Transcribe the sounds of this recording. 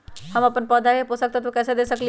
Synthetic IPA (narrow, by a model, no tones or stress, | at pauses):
həməpənpəd̪ʱaeposək̚t̪ɔt̪okɛːsed̪esəkli